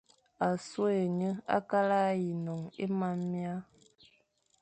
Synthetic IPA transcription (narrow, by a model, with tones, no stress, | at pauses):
a˨so˦e˨ɲə˦a̰˦ka˦la˦ji˨nɔ˨ŋe˦ma˦mːja˦